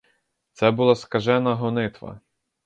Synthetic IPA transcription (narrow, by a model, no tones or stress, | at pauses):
t̪sɛbʊlˠaskɐʒɛnɐɦɔnɪt̪ʋɐ̰